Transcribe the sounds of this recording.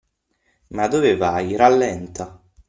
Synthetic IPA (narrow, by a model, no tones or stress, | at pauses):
mad̪oːvevajɾalːɛnt̪ʰa